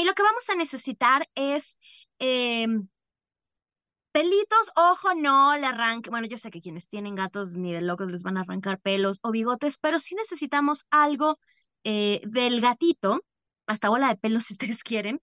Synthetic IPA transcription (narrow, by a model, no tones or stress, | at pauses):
ilo̞keβamo̞sane̞se̞sit̪aɾe̞s | em | pe̞lit̪o̞soxo̞nolaraŋkbwe̞no̞ʝo̞se̞ke̞kje̞ne̞st̪je̞nẽ̞ŋɡat̪o̞zniðe̞lo̞ko̞zle̞zβanaːra̰ŋkaɾpe̞lo̞so̞βiɣo̞t̪e̞spe̞ɾo̞sine̞se̞sit̪amo̞salɣo̞ | eðe̞lɣat̪it̪o̞ | ast̪aβo̞laðe̞pe̞lo̞sius̬t̪e̞ðeskje̞ɾe̞n